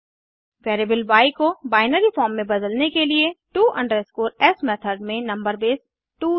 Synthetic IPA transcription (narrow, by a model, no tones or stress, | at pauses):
ʋeːɾeːbəlʋaːɪkobaːɪnəɾifɔːɾmːẽbɐd̪əlnekelieʈuːʔɐ̃ɳɖəɾɪskoːɾɛsmɛːt̪ʰəɾɖmẽnɐ̃mbəɾbeːs | ʈuː